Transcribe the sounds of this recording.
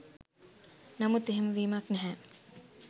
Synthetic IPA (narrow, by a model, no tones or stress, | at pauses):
nɐmut̪eɦemʋiːmɐknɛɦæː